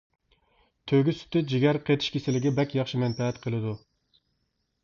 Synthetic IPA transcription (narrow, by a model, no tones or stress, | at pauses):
t̪ʰøɡʲysy̥t̪ʰɪd͡ʒiɡʲæɾqʰet̪ʰɪ̥ʃkʲʰesɪlɪɡʲɛbɛkʲjɑχʃimɛnpɛɛt̪qʰəlˠɨd̪u